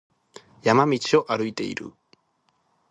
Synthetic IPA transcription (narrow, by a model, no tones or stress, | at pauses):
jamamit͡ʃoʔaɾujt̪ḛjɾṵ